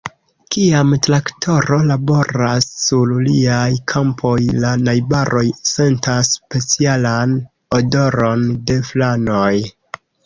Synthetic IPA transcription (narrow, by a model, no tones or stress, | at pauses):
kiamtɾaktʰo̞ɾo̞labo̞ɾasːuɾliajkʰampʰo̞jlanajbaɾʔo̞jse̞ntaspe̞t͡sialan | odo̞ɾo̞nde̞flano̞j